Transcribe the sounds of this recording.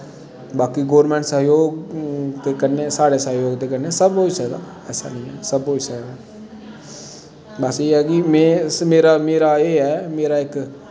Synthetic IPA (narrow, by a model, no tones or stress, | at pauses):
baːkiɡoːɾmɛ̃ːɳʈsəɦjoːɡt̪eːkəɾneːsaːɽesəɦjoːɡt̪eːkəɾneːsəboːsɛːd̪a̰ː | ɛːsa̰ːnəĩːɦɛːsəboːd͡ʒsaːd̪aː | bəseːɦɛːɡimẽːmeːɾaːmeːɾaːeːɦɛːmeːɾaːɪk